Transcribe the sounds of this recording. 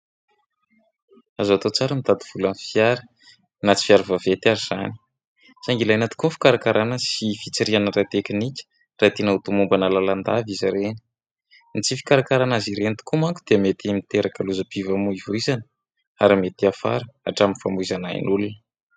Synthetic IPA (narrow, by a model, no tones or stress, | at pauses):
azat̪ot͡saɾənit̪ad̪iv̥ulanifijaɾi̥ | nat͡si̥fiaɾivavet̪iaɾiz̥ani̥ | saŋɡilajnat̪u̥kunfi̥kaɾakaɾʔanasifit͡saɾianəɾat̪ekinikʲə̥ | rat̪inəut̪umumbanəlaland̪avizaɾeni̥ | nit͡sifi̥kaɾakaɾanaziɾent̪u̥kumaŋku̥d̪emet̪imit̪eɾakəluzəpivamuivoizanə̥ | aɾimet̪iafa̰ɾəa̰ʈ͡ʂaminfamizanaḭnulunə